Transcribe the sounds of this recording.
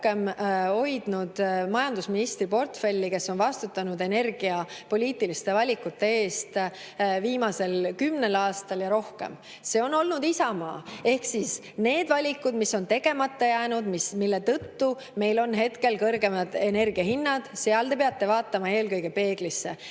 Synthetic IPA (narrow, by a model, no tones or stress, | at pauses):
ke̞mho̞jd̪̥nud̪̥mɑjɑnd̪usminist̪ripo̞rt̪fe̞lʲːike̞sːo̞nvɑst̪ut̪ːˑɑnud̪e̞ne̞rɡ̥iɑpo̞lʲiːt̪ːˑilist̪e̞vɑlʲikut̪ːe̞e̞ːst̪ | viːmɑse̞lkymne̞lɑːst̪ɑljɑɾo̞hke̞̰m | se̞o̞nːo̞lnud̪̥isɑmɑ̰ːe̞hksis | ne̞ːd̪̥vɑlʲikːud̪̥misːo̞nt̪e̞ɡ̥e̞mɑt̪ːɑjæːnud̪mismilːe̞t̪ɤt̪ːu | me̞jlo̞nɦe̞t̪ke̞lkɤrɡemɑd̪̥e̞ne̞rɡ̥iɑhinːɑd̪̥seɑld̪e̞peɑt̪ːe̞vɑːt̪ːˑɑmɑe̞ːlkɤjɡe̞pe̞ːɡ̥lisːe̞̰